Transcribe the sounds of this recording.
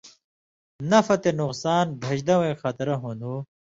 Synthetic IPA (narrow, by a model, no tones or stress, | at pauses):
nɐfɐt̪enʊqsaːnbʱɐʑd̪ɐwẽxɐt̪ɾɐɦunu